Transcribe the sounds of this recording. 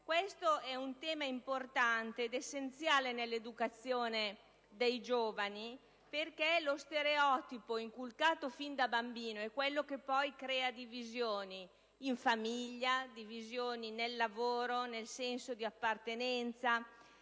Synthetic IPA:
kwest̪oɛunt̪ɛːmaimport̪ant̪eːd̪esːent̪sjaːlenelːed̪ukat̪sjoːne | d̪ejd͡ʒoːvani | perkelost̪eɾeɔt̪ipoiŋkulkaːt̪ofind̪abambiːnoɛkːwelːokepːɔjkɾɛːad̪ivizjoːniː | ɱfamiʎːad̪ivizjoːninelːavoːɾonelsɛnsod̪iapːart̪enɛnt̪sa

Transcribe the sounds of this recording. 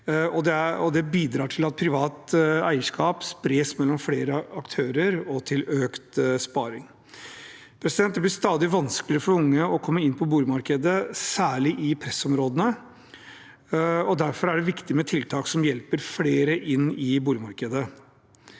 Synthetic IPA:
ɔd̪ɛæɔd̪ɛbiːd̪ɾɑːʈʰɪlɑt̪̚pʰɾɪʋɑːt̪æɪəʂkɑːpspɾeːsmɛlːɔmfleːɾəɑkt̪ʰøːɾəɾɔt̪ʰɪløːkt̪spɑːɾɪŋ | pʰɾɛsɪd̪ɛnt̪̚d̪ɛblɪst̪ɑːd̪ɪʋɑnsklɪɾəfɔɾʊŋːəɔkʰɔmːəɪnpʰɔbuːlɪmɑɾkəd̪əsæːɭɪʔɪpʰɾɛsɔmɾoːd̪ənə | ɔd̪æɾfɔɾæɖɛʋɪkt̪ɪmɛt̪ʰɪlt̪ʰɑːksɔmjɛlpəɾfleːɾəʔɪnːɪbuːlɪmɑɾkəd̪ə

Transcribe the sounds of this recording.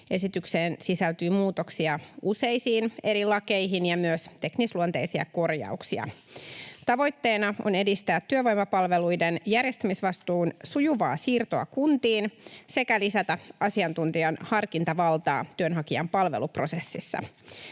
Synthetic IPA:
e̞sit̪ykseːnsisælt̪yːmuːt̪o̞ksiɑʔuse̞jsiːne̞ɾilɑke̞jɦinjɑmyøst̪e̞knisluont̪eisiɑ̰ko̞rjɑ̰uksiɑ̰ | t̪ɑʋo̞jt̪ːe̞ːnɑʔo̰ne̞dist̪æːt̪ːyøʋo̞jmɑpɑlʋe̞lujdenjærjest̪æmisʋɑst̪uːnsujuʋɑ̰ːsiːrt̪o̞ɑ̰kunt̪iːnse̞kælisæt̪æɑsiɑnt̪unt̪iɑnhɑrkint̪ɑʋɑlt̪ɑ̰ːt̪yønɦɑkiɑ̰mpɑlʋe̞̰lupro̞se̞sːisːɑ̰

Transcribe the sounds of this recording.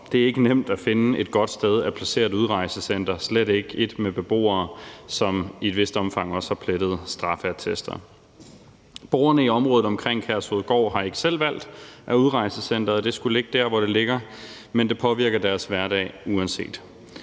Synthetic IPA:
d̥e̝æɐe̝ɡ̥ənem̰d̥æfe̝nəe̝d̥̚ɡ̥ɒ̽d̥sd̥eð̞ˠæpʰlæse̝̰ːɐðˠuðˠʁɑ̈ɪsəsen̰d̥ɐsleɾ̥e̝ɡ̥əe̝d̥meb̥e̝b̥o̝̰ːɐːsɒ̽mied̥ʋe̝sd̥əɒ̽mfɑ̈ŋ̰ɒ̽shɑ̈pʰled̥ð̞̩ˠsd̥ʁɑ̈fæɐt͡sʰesd̥ɐ̰ | b̥o̰ːɐnəiɒ̽mʁɔ̽ːð̩ˠɒ̽mkʰʁeŋ̰kʰæɐsoðˠɡ̥ɒ̰ʊːhɑ̈e̝ɡ̥əsel̰ʋæl̰d̥ʔæuðˠʁɑ̈ɪsəsen̰d̥ɐðˠd̥e̝sɡ̥ule̝ɡ̥əd̥æɐ̰ʋɒɾ̥e̝le̝ɡ̥ɐ | mend̥e̝pʰɒ̽ʋiɐɡ̥ɐd̥æɐsʋæɐɾɛ̰ɪuɛnse̝̰ːd̥

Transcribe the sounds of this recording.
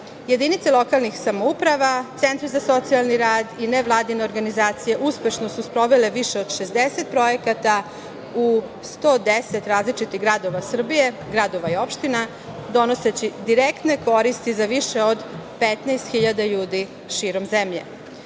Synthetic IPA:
je̞d̪init̪selˠo̞kalˠnixsamoupɾaʋat̪se̞nt̪ɾizaso̞t̪sialˠniɾaːd̪ineʋlˠaːd̪ineoɾɡanizaːt̪sije̞ʔuspe̞ʃno̞suspɾo̞ʋeleʋiʃeo̞d̪ʃe̞zd̪eset̪̚pɾo̞jekat̪a | u | st̪oːd̪eset̪ɾaːzlit͡ʃit̪iɣɡɾad̪o̞ʋasr̩bije̞ | ɡɾad̪o̞ʋaio̞pʃt̪ina | d̪o̞noset͡ɕid̪iɾekt̪neko̞ɾist̪izaʋiʃe̞od̪pet̪najst̪xiʎad̪aʎuːd̪i | ʃiːɾomzemʎe̞̰

